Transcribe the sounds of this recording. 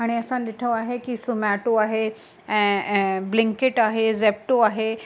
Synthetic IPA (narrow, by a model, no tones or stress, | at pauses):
aɽ̃iəsãd̪iʈʰəʋaɦekisumaʈoaɦẽ | bliŋkeʈaɦezep̚ʈoaɦe